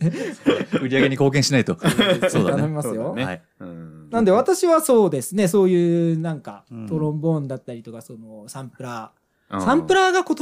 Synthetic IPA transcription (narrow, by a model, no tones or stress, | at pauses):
ɯ̟ɾʲiaɡe̞ɲ̟iko̞ːk̬ẽɕinait̪o̞soːd̪anaimasɨjo̞a | nãnd̪e̞β̞at̪aɕiβaso̞ːd̪e̞sɨne̞so̞ːjɯ̟ːnãŋka̰t̪o̞ɾõ̞mbõ̞nd̪at̪ːaɾʲit̪o̞kaso̞no̞sãmpɯ̟ɾa | sãmpɯ̟ɾaɡakot̪